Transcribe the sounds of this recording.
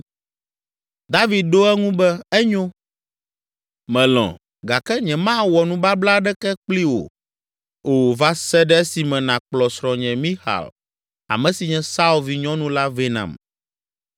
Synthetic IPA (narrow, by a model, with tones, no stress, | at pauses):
d̪a˦vi˨d̪̚ɖo˦ɛ˦ŋũ˦bɛ˦ɛ˦ɲõ˦ | mɛ̃˨lɔ̰̃˨ | ɡa˨kɛ˦ɲɛ̃˨mã˦wɔ˨nũ˦ba˦bla˦ɖɛ˦kɛ˦k͡pli˦wo̰˨ | o˨va˦sɛ˦ɖɛ˦e˦si˨mɛ̃˨nã˨k͡plɔ˨sɾɔ̃˨ɲɛ̃˨mĩ˦xa̰˨l | a̰˨mɛ̃˨si˨ɲɛ̃˨sa˦u˦lvi˨ɲɔ̃˦nũ˦la˦ve˦nã̰˨m